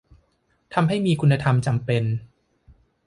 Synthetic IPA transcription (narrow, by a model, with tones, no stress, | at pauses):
t̪ʰa˧mɦa˥˩jmiː˧kʰu˧nːa˧t̪ʰa˧mt͡ɕa˧mpe˧n